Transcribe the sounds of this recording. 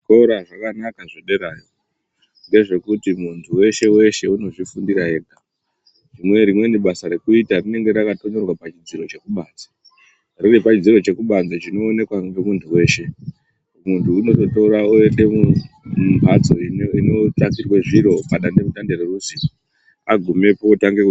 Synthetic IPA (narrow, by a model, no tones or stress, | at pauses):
ko̞ɾaʐakanakaʐeɗe̞ɾaːjo | ŋɡe̞ʐe̞kutimuntʰuwe̞ʃe̞we̞ʃe̞uno̞ʐifundiɾae̞ːɡʱa | rimwe̞ɾimwe̞niɓasaɾe̞kuitarine̞ŋɡe̞ɾakato̞ɲo̞rwapat͡ʃid͡ziɾo̞t͡ʃe̞kuɓaːnd͡zo̥ | rirepat͡ʃid͡ziɾo̞t͡ʃe̞kuɓand͡zot͡ʃino̞ːne̞kwaŋɡemuntʰuwe̞ːʃe̞ | muntʰuːno̞totoɾaoenɗe̞mu | mbʱad͡zo̞iino̞takirweʐiɾo̞paɗandemuɗandererusi | aɡʱume̞poːtaŋɡeku